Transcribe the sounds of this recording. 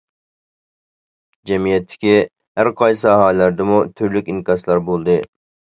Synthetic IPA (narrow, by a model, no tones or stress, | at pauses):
d͡ʒɛmijɛt̪ʰːɪ̥kʲi | hæɾqʰɑjsɨɦɑːllæɾd̪ɪmut̪ʰyɾlykʲinkʲɑslˠɑɾbolˠd̪ɨ